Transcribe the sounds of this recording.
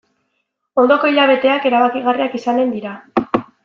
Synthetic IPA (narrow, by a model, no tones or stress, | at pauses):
o̞nd̪o̞ko̞iʎaβ̞e̞t̪e̞ake̞ɾaβakiɣ̞ariakisane̞nd̪iɾa